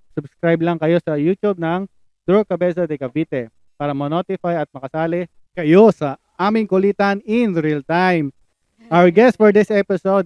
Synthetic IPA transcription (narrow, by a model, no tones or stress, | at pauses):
sʊbskɾajblɐŋkɐjo̞sɐjut̪ub̚nɐŋ | d̪̥ɾokɐbɛsɐd̪ɛkɐviːt̪ɛ | paːɾɐmɐnot̪ɪfajɐt̪̚mɐkɐsaːlɪ | kɐjo̞sɐʔaːmɪŋkʊliːt̪ɐnɪnɾilt̪ajm | ʔawəɹɡɛst̪̚fɔɹd̪ɪsʔɛpɪsod̪̚